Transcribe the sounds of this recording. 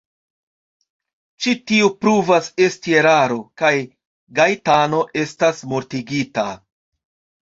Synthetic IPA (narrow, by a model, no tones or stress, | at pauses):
t͡ʃitiupɾuvase̞stie̞ɾaɾo̞kaj | ɡajtano̞ʔe̞stasmoɾtiɡita